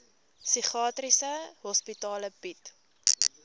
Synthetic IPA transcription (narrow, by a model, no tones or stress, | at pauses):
siχɑːtrisəɦɔspitɑːləpit